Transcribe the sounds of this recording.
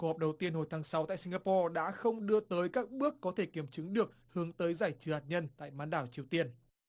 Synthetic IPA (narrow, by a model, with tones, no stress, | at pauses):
ku˧hɔ˨˩ɗə˨˩wt̪i˧ənho˨˩jt̪ʰaː˨˦ŋsa˨˦wt̪a̰ː˧˨si˧ŋɣaː˧pɔ˧ɗa̰ː˧˥xə˧wŋ͡mɗɨ˧ət̪əː˨˦jkaː˦˥k̚ɓɨ˦˥əkːɔ˨˦t̪ʰe˧˩ki˧˩əmt͡ɕɨ˨˦ŋɗɨ˨˩ək̚hɨ˨˦əŋt̪əː˨˦jzaː˧˩jt͡ɕɨ˨˦haː˨˩t̚ɲə˧nt̪a̰ː˧˨jmaː˨˦nɗaː˧˩wt͡ɕi˨˩əwt̪i˧ən